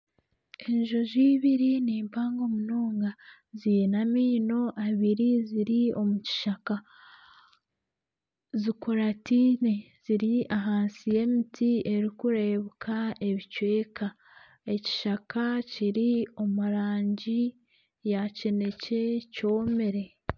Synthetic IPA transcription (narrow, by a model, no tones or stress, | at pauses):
eɲʒoziːβiɾiniːmpaːŋɡo̞munoːŋɡa | zijenamiːno̞ʔaβiɾiziɾio̞muci̥ʃaka | zikuɾatine | z̥iɾiaɦaːnsije̞mitʰie̞ɾikuɾeβukʰae̞βicwe̞ːka | e̞ci̥ʃakaciɾio̞muɾaːɲɟi | jace̞ne̞ce̞co̞ːme̞ɾe̞